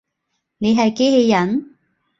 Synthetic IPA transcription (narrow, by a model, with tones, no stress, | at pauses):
ne˨˧jɦɐ˨jke˨˥he˧jːɐ˨˩n